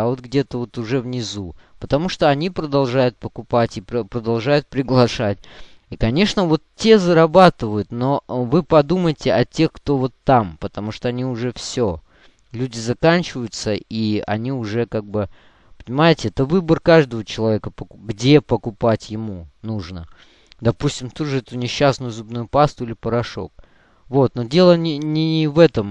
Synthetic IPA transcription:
ɐvo̞t̪ɡdʲet̪əvo̞t̪ʊʐɛvnʲɪzupət̪ɐmuʂt̪o̞ɐnʲipɾəd̪ɐlˠʐajʊt̪̚pəkʊpatʲɪpəpɾəd̪ɐlˠʐajʊt̪̚pɾʲɪɡlˠɐʂatʲ | ikɐnʲe̞ʂnəvo̞t̪tʲːe̞zəɾɐbat̪ɨvəjʊt̪no̞vɨpɐd̪uməjɪtʲɪɐtʲe̞xkt̪o̞vo̞t̪ːampət̪ɐmuʂt̪o̞ɐnʲiʊʐɛfsʲo | lʲudʲɪzɐkanʲt͡ɕɪvəjʊt̪səiɐ̰nʲiʊʐɛkaɡ̚bɨ | pə̥nʲɪmajɪtʲɪɛt̪əvɨbərkaʐd̪əvət͡ɕɪlˠɐvʲekəpəkɡdʲe̞pəkʊpatʲjɪmunuʐnə | d̪ɐpusʲtʲɪmt̪ud̪ʐɨɛt̪ʊnʲɪɕːasnʊjʊzubnujʊpast̪ʊilʲɪpəɾɐʂo̞̰k̚ | vo̞t̪̚nodʲelˠənʲɪnʲɪɪvɛt̪əm

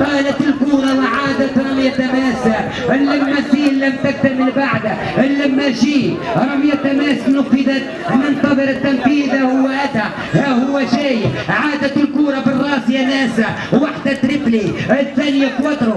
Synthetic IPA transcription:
t̪ˤɑːlɑt̪ɪlkuːɾˤɑwɪʕaːd̪at̪ɾˤɑmjat̪amaːsa | ɪlːamːafiːlːamt̪ak̚t̪amɪlbaʕd̪a | ɪlːamːaʒiːɾˤɑmjat̪ːamaːsnʊfːɪd̪at̪̚ | nɪnt̪ɑðˤɨɾɪt̪ːanfiːðahʊwːaʔad̪a | hahʊwːaʃajʕaːd̪at̪ɪlkuːɾˤɑbɪrˤːɑːsɪjanaːsa | wwaħd̪at̪ɾɪbliɪθːaːnɪjakwɑt̪ɾˤʊ

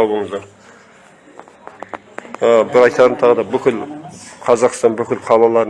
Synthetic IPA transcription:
ɑbəɴəzd̪ɑɾ | əbɪɾɑjt̪ɑɾənt̪ʰɑʁəd̪ɑbʏkʲɪlqʰɑzɑqst̪ɑnbʏkʲɪlqʰɑlˠɑlˠɑɾ

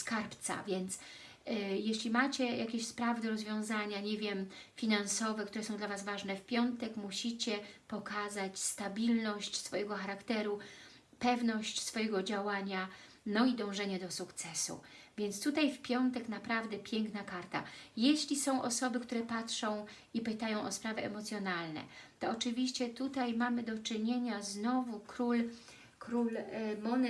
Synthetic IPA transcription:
skaɾpt̪sa̰vʲjɛnt̪s | jeɕlʲimat͡ɕɛjakʲeɕspɾavd̪ɾɔzvʲjɔ̃w̃zaɲaɲevʲjɛmfʲinansɔvɛkt̪uɾɛsɔ̃w̃d̪lavazvaʐnɛfpʲjɔnt̪ɛkmuɕit͡ɕɛpɔkazat͡ɕst̪abʲilnɔɕt͡ɕsfɔjɛɡɔxaɾakt̪ɛɾu | pɛvnɔɕt͡ɕsfɔjɛɡɔd͡ʑawaɲa | nɔid̪ɔ̃w̃ʐɛɲɛd̪ɔsukt̪sɛsṵvʲjɛnt̪st̪ut̪ajfpʲjɔnt̪ɛknapɾavd̪ɛpʲjɛŋknakaɾt̪a̰jeɕlʲisɔ̃w̃ʔɔsɔbɘkt̪uɾɛpatʂɔ̃w̃ | ipɘt̪ajɔ̃w̃ʔɔspɾavɛɛmɔt̪sʲjɔnalnɛ̰t̪ɔːt͡ʂɘvʲiɕt͡ɕɛt̪ut̪ajmamɘd̪ɔt͡ʂɘɲeɲaznɔvukɾul | kɾulmɔn

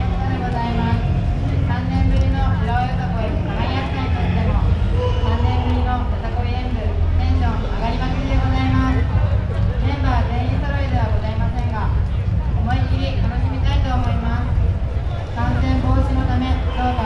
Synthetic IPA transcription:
ad̪eɡo̞zaimasɨ̥ | sãnːẽ̞mbɯ̟ɾʲinoɯɾajot̪akoiaɡaɾʲiaɕi̥t̪ãĩt̪ost̪emosãnːẽ̞mbɯ̟ɾʲinokot̪akoiɾẽndɯt̪ẽ̞ɰ̃ɕõŋaɡaɾʲimaɕed̪e̞ɡo̞zaimasɨ̥ | ɡẽ̞mbad̪ẽ̞ɰ̃ĩsoɾoed̪eβaɡo̞zaimasẽ̞ŋɡa | omoikʲiɾʲit̪ano̞ɕimʲit̪ait̪o̞ːmo̞imasɨ̥ | kãñsẽ̞mboːɕinot̪amẽ̞t̪oːt̪a

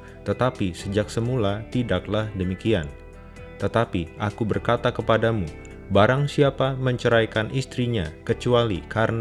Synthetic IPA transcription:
t̪ət̪apisəd͡ʒaksəmulat̪idaklahdəmikian | t̪ət̪apiʔakubərkat̪akəpadamu | baɾaŋsiapaməɲt͡ʃəɾajkanʔist̪ɾiɲakət͡ʃualikaɾən

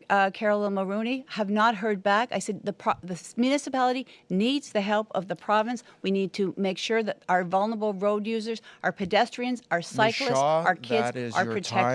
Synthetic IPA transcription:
kʰɛɹl̩ˠɪ̃nməɹuniɨvnət̚ɦɜ˞d̚bækaɪsɛd̚ðəpʰðɨmjʉnɨsəpælˠəɾinidz̥ðɨɦɛlˠpʌ̰vðəpʰɹ̥ɑvɨ̃nswinid̚tʰɨmeɪkʃʊɹðɨɾaʊə˞vʌlˠnə˞əbl̩ˠɹoʊdjʉzə˞zʔə˞pʰɨdɛstɹ̥iɨ̃nzə˞saɪklˠəsaə˞kʰɪdzə˞pʰɹ̥ɨtʰɛk

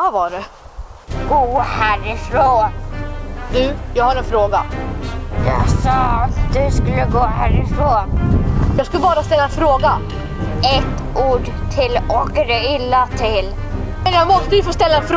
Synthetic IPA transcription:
avɑɖɛ | ɡ̥oːhæːɾɪfɾoːn | d̪jɑːɡhaɾɛnfɾoːɡa | jɑ̰sɑːat̪d̪ɵskɵlːəɡoːhæːɾɪfɾoːnjɑːɡskɵlːəbɑːɾast̪ɛlːaɛnfɾoːɡa | ɛt̪ː | ʔuːɖ | t̪ʰɪlɔɡɾɛɪlːat̪ʰɪl | mɛnjɑɡmɔst̪əjɵfoːst̪ɛlːaɛnfɾ

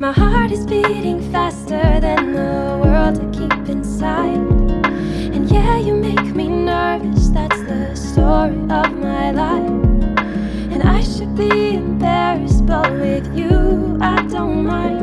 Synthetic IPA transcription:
maɪhɑɹɾɨzbiɾɪ̃ŋfæstə˞ðɨ̃nðə | wɜ˞lˠd̚tʰɨkʰipɨ̃nsaɪd | ɨ̃njæjɨmeɪkminɜ˞vɨsðætsðɨstɔɹiʔʌvmaɪlaɪf | ɨ̃na̰ɪʃɨd̚biɨ̃mbɛɹɨsb̥ʌt̚wɪðjɨ | aɪdõʊ̃nmãɪ̃n

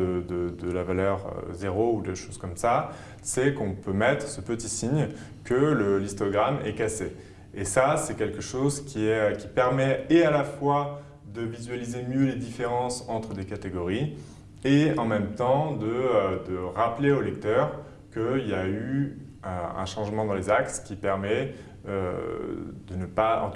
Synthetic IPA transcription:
əd̪əd̪əlavalœʁø̰zeʁoud̪əʃoz̥kɔmsa | sɛkɔ̃pømɛt̪χəsəpət̪isiɲ | kələlist̪ɔɡʁamɛ̰kase | esasɛkʲɛlkəʃozkʲiɛkʲipɛʁmɛealafwa | d̪əvizɥalizemjøled̪ifeʁɑ̃sɑ̃t̪χəd̪ekat̪eɡɔʁi | eɑ̃mɛmt̪ɑ̃d̪əød̪əʁapleolɛk̚t̪œʁ | kəiljay | øɛ̰̃ʃɑ̃ʒmɑ̃d̪ɑ̃lezakskʲipɛʁmɛ | ø̰ | d̪ənəpaɑ̰̃

